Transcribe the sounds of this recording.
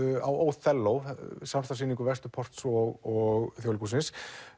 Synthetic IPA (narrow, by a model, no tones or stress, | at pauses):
awoːwθɛlːowsamɾ̥t̪asiːniŋkʏvɛst̪ʏ̥pʰɔr̥t̪sɔɣɔɣθjowlkusɪns